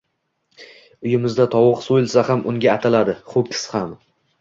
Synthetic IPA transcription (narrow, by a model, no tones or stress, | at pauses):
ʊjɪmɪzd̪at̪ʰɒwɨqsojɪlsahamʊŋɡʲaːt̪ʰalad̪ɪχʊp̚kʲʰɪ̥sham